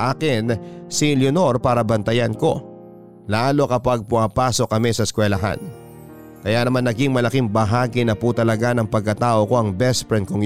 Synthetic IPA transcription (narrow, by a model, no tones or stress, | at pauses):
ʔaːkɪnsiljʊno̞ɾpaːɾɐbɐnt̪ɐjɐnko̞ | laːlo̞kɐpaɡ̚pʊŋɐpaːso̞kːɐmɛsɐskwɛlɐɦa̰n | kɐjanɐmanːɐɡiŋmɐlɐkiŋbɐɦaːɡinɐput̪ɐlɐɡanɐŋpɐɡ̚kːɐt̪aːʔo̞ko̞ʔɐŋbɛspɾɛn̚koŋ